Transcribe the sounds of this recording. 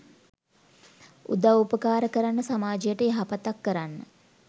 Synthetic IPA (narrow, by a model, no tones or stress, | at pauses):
ṵd̪aupəkaːɾəkəɾanːəsamaːd͡ʒijəʈəːɦapat̪akːəɾanːə